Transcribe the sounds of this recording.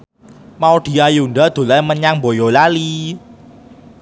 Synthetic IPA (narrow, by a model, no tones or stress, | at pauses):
maod̪̥i̤ajunɖad̪̥o̤laməɲaŋmbojolali